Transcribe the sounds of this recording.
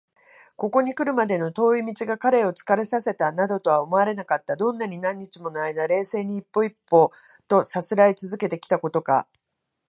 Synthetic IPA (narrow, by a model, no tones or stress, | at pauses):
ko̞ko̞ɲ̟ikɯ̟ɾɯ̟mad̪e̞no̞t̪o̞ːimʲit͡ɕiɡakaɾe̞o̞t͡sɨ̥kaɾe̞sase̞t̪anad̪o̞t̪o̞βaomo̞aɾe̞nakat̪ːad̪õ̞nːaɲ̟inãɲ̟ːit͡ɕimo̞noaid̪aɾe̞ːse̞ːɲ̟iːpːo̞ipːo̞ː | t̪o̞sat͡sɨɾait͡sɨzɨke̞t̪e̞kʲi̥t̪ako̞t̪o̞ka̰